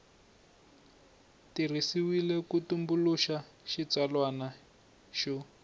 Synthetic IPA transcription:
tir̤isiwilɛkutumbuluʃa | ʃit͡salwana | ʃɔ

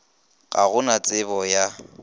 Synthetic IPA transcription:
ɣʼa̰ɣʊnat͡sʼɪbɔja

